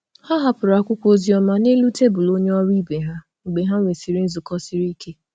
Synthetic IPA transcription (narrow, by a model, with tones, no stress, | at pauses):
ha˦ɦa˦pʊ˨ɾa˨kʷʊ˦kʷo˦zi˦ɔ˦ma˦ne˦lu˦te˦bʊ˨lo˦ɲe˦ɔ˦ɾi˦be˨ɦa˦ | ŋ͡m̩˨ɡ͡be˨ɦa˦ŋʷe˨si˨ɾi˦n̩˦zʊ˨kɔ˦si˦ɾi˦kʰe˦